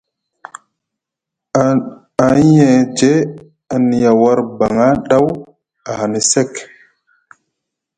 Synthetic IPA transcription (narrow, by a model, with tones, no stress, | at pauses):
a˨˦jɛ˨d͡ʒe˦ | a˨ni˨ja˨wa˦ɾba˨ŋa˦ɗa˦w | a˨ha˨ni˨sɛ˦k